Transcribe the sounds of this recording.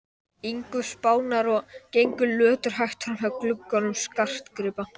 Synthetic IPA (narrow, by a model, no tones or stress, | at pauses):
iŋkʏspaːwnaɾɔɣcejŋkʏlœːt̪ʏɾ̥ɦajht̪fɾamɦœklʏkːɔnʏmskar̥t̪kɾɪːpa